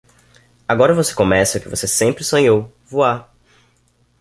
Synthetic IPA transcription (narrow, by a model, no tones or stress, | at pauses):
aɡɔɾɐvose̥kõmɛsɐʊkɪvosesẽmpɾɪsõɲow | vua